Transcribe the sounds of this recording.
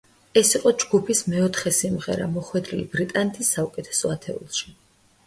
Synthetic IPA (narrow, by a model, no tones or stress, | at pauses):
ɛsiqʼɔd͡ʒɡupʰismɛɔt̪ʰχɛsimʁɛ̰ɾa̰mɔχwɛd̪ɾilḭbɾit̪ʼanɛt̪ʰisːaukʼɛt̪ʰɛ̥sɔat̪ʰɛ̰ṵlˠʃi̥